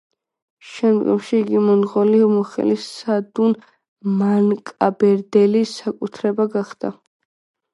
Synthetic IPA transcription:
ʃɛnd̪ɡɛ̰mʃiːɡimɔnʁɔlimɔχɛ̰lisad̪un | mankʼabɛɾd̪ɛlisakʼut̪ʰɾɛbaɡaχd̪̥a̰

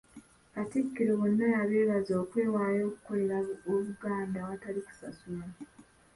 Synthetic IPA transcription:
katikːiɾeβo̞nːajaβeːβazo̞ːkwe̞ːwaːjo̞ːku̥ko̞le̞ɾaoβuɡaːndawataliku̥sasulaa

